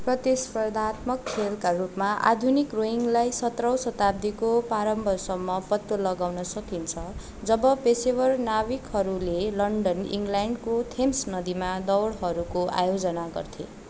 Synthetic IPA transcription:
prʌt̪ispʌrd̪ʱat̪mʌkʰːelkarupmaʔa̰d̪ʱunikroiŋɡlajsʌt̪rʌwsʌt̪ab̚d̪ikopaɾʌmbʱʌsʌmːʌpʌt̪ːolʌɡawnʌsʌkint͡sʰʌ | d͡zʌbʌpesebʌrnawikɦʌɾulelʌɳɖʌnḭŋɡlaɳɖkot̪ʰemsnʌd̪imad̪ʌwɽɦʌɾukoʔa̰jod͡zʌnaɡʌ̰rt̪ʰḛ

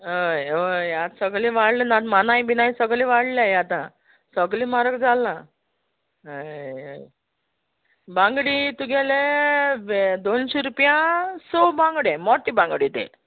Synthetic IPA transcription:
ɦəjɦəjjat̪səɡlĩʋaɽlenat̪manajbinajsəɡliʋaɽliajat̪ã̰ | səɡlĩmaɾəkd͡zalã | ɦəjə̰j | bãŋɡɽit̪uɡɛleʋd̪onɕeɾupjãsobãŋɡɽemɔʈːibãŋɡɽit̪ḛ

